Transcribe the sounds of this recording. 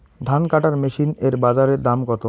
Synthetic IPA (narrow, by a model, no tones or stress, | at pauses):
d̪ʱankaʈaɾmeʃineɾbad͡ʑaɾed̪amɡɔt̪o